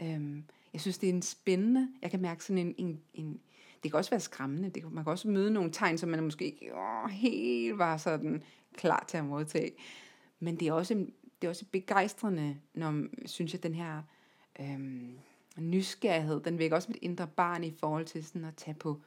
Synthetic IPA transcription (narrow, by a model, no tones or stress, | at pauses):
ømjɑɪsynsd̥e̝æensb̥enənəjɑ̈ɪkʰæmæɐɡ̥ə̥sɒ̽nenene̝n | d̥e̝kʰæɒ̽sʋæːɐsɡ̥ʁamənəd̥e̝kmænkʰæɒ̽səmøːð̞ˠəno̝ːn̩t͡sʰɑ̈ɪnsɒ̽mːænmɔ̽sɡ̥e̝̰ːeɡ̥ɦe̝̰ːld̥ʋɑ̈sɒ̽d̥n̩ | kʰlɑ̰̈ːt͡sʰeæmoðˠt͡sʰɛ̰ː | mend̥e̝æɐɒ̽səend̥e̝æɒ̽səb̥e̝ɡ̥ɑ̈ɪ̰sd̥ʁɐnənɒsynsjɑ̈ɪd̥enɦæɐ̰ | ʔø | nysɡ̥æɐiɦe̝ð̰ˠd̥enʋeɐɡ̥ɐɒ̽smed̥e̝nd̥ʁɐb̥ɑ̰̈ːnifɒːhɒ̽l̰t͡sʰe̝lsɒnn̩ɒt͡sʰɛpʰɒ̽